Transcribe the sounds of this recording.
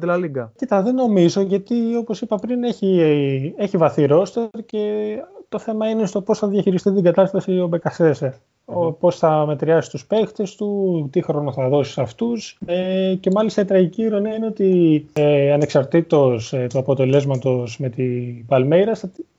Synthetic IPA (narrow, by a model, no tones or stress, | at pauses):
d̪elɐliɡɐcit̪ɐðe̞no̞mizo̞ʝɐt̪io̞po̞sipɐpɾine̞çieçivɐθiɾo̞st̪eɾce̞t̪o̞θe̞mɐinest̪o̞po̞sθɐðjɐçiɾist̪it̪iŋɡɐt̪ɐst̪ɐsio̞be̞kɐseseɾ | po̞sθɐme̞t̪ɾiɐsi̥st̪uspe̞kt̪e̞st̪ut̪ixɾo̞noθɐðo̞si̥sɐft̪usece̞mɐlist̪ɐit̪ɾɐʝiciɾo̞niɐineo̞t̪ieɐne̞ksɐɾt̪it̪o̞st̪uɐpo̞t̪e̞le̞zmɐt̪o̞sme̞t̪ipɐlmejɾɐst̪ɐt̪i